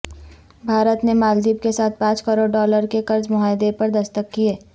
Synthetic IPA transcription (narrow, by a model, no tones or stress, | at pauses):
bʱaːɾət̪nemaːld̪iːbkesaːt̪̚ʰpãːt͡ʃkəɾoːɖɖɔːləɾkekɐɾd͡ʒmʊɦaːɪd̪epɐɾd̪ɐst̪əkːieː